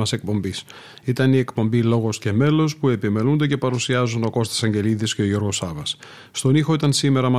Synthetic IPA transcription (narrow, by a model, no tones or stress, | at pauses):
ɐse̞k̚po̞mbis | it̪ɐnie̞kpo̞mbilo̞ɣo̞sce̞me̞lo̞spue̞pime̞lund̪e̞ce̞pɐɾusiɐzunoko̞st̪i̥sɐɲɟe̞liðisce̞o̞ʝo̞ɾɣo̞sɐvɐs | st̪o̞nixo̞it̪ɐnsime̞ɾɐmɐ